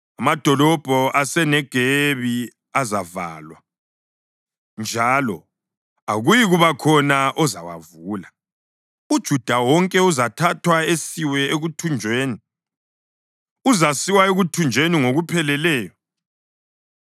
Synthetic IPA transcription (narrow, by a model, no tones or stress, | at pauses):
amad̥ʱɔlɔb̥ʱɔʔasɛnɛɡ̥ʱeβi | azava̰ːlwa | nd͡ʒʱalɔ | aɣujiɣuβakʰɔnaʔɔza̰wa̰vuːla | ud̥ʒ̥ʱud̥ʱawɔŋkʼɛuzatʰatʰwaesiwɛeɣutʰund͡ʒʱweːni | uzasiwaeɣutʰund͡ʒʱweniŋoɣupʰɛlɛlɛːjɔ